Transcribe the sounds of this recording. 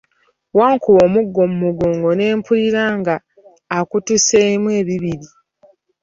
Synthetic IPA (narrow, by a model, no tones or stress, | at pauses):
waːŋkuβo̞ːmuɡːo̞mumuɡoːŋɡo̞ne̞ːmpuliɾaːŋɡaː | kutuseimwe̞ːβiβiɾi